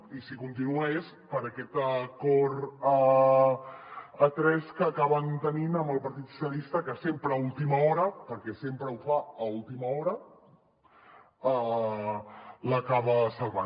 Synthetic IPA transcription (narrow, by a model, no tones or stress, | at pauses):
isikunt̪̬inuɛs | pəɾəkɛt̪əkɔɾə | ət̪ɾɛskəːkaβənt̪əninəmbəlˠpɐɾt̪it̪su̥sjəlist̪əkəsempɾəulˠt̪iməɔɾəpəɾkɛsempɾəufaəulˠt̪iməɔɾə | ə | ləkaβəsəlˠβan